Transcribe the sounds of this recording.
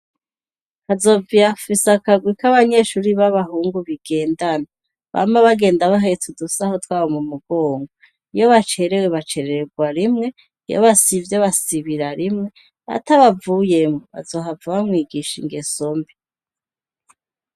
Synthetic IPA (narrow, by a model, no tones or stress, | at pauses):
hazo̞vijafisakaɡwikaβaɲe̞ʃuːɾiβaβaɦuːŋɡuβiɡ̥e̞ːndana | βa̰maβaɡe̞ːndaβaɦetʰudusaho̞twaːβomumuɡo̞ːŋɡo | ijo̞βat͡ʃe̞ɾe̞weβat͡ʃe̞ɾeɾeɡwaɾimŋe̞ | ijo̰βasivjeβasiβiɾaɾimŋe̞ | a̰taβavuːje̞mŋoβa̰zo̞ːɦavuβamŋiːɡiʃiŋɡeso̞mbi